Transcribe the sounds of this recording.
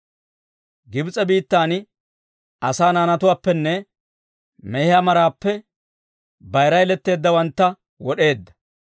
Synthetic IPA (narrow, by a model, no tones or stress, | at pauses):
ɡɪbt͡sʼɛbiːt̪ːaːn | ɐsaːnaːnɐt̪ʊwaːpːɛnːɛ | mɛhɪaːmɐɾaːpːɛ | bɐjɾɐjlɛt̪ːe̞ːd̪ːɐwɐnt̪ːɐ | wɔɗe̞ːd̪ːɐ̥